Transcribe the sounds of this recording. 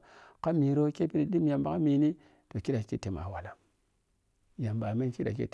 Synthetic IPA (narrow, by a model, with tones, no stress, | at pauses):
ka˦mi˨ɾo˦ke˦pi˦ɾi˨di˦mja˨mba˨˦ka˦mi˨ni˦ | to˨ki˦da˨ki˦te˨ma̰˨wa˨la˦ | ja˨mba˨me˦nki˦ɗa̰˨kḭ˦t